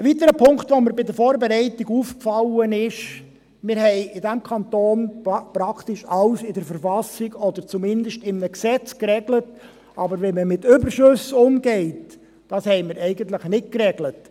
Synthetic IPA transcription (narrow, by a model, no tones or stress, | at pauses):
əʋit̪əɾəpʰʊŋkt̪ʋɔməɾbɪd̪əɾfɔːɾbɛɾɛɪtiɡuːfkfɑlənɪʃ | mɪɾhɛɪɪdæmkʰɑnt̪oːnpɾɑkʰt̪ɪʃɑlsɪdəɾfəɾfɑsiɡɔd̪əɾt͡sumɪnd̪əʃtɪmnəksɛt͡skrɛɡlət | ʔɑbəɾʋɛnməmɪtʏbəɾʃøsʊmɡɛɪt | d̥ɑshɛɪmɪɾɛɪɡəntləχnɪt̚krɛɡlət